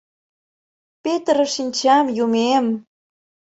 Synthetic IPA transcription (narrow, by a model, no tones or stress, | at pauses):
pet̪ɾəʃinʲt͡ɕɑmjumem